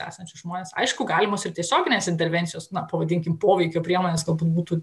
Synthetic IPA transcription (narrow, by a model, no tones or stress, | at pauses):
æ̰ːsɐnʲt͡ʃʲʊsʒmoːnʲeːsɐ̰ɪʃkʊɡɑːlʲɪmoːsɪrt̪ʲiɛsʲoːɡʲɪnʲeːsɪnʲt̪ʲɛɾʲʋʲɛnt̪sʲɪjoːsnɐpɐʋɐd̪ʲɪŋʲkʲɪmpoːʋʲɛɪkʲoːpʲɾʲiɛmoːnʲeːsɡɐlˠbuːt̪buːt̪uː